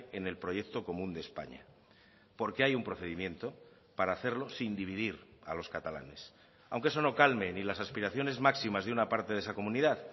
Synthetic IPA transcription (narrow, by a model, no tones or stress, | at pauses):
ene̞lpɾo̞ʝe̞kt̪o̞ko̞mũnd̪espa̰ɲa̰ | po̞ɾke̞ajumpɾo̞θe̞ðimjẽ̞nt̪o̞ | paɾaːθe̞ɾlo̞sind̪iβ̞iðiɾa̰lo̞skat̪ala̰ne̞s | a̰wŋkee̞so̞no̞kalme̞nilasaspiɾaθjo̞ne̞zmaksimazðeunapaɾt̪e̞ðe̞sako̞mũniðað